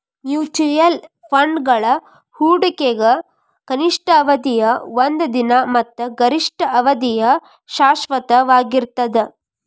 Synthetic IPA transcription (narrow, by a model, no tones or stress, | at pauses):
njuːt͡ʃujɐl | pʰɐɳɖɡɐɭɐ | huːɖɐkeɡɐ | kɐniʂʈɐːʋɐd̪ijɐʋond̪ɐd̪inɐmɐt̪ːɐɡɐɾiʂʈʰɐɐʋɐd̪ijɐ | ʃaːʃʋɐt̪ɐʋaːɡiɾt̪ɐd̪e